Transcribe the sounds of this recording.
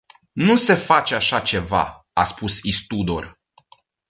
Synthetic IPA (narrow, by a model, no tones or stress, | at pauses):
nuse̞fat͡ʃeaʃat͡ʃe̞va̰ | aspusist̪ud̪or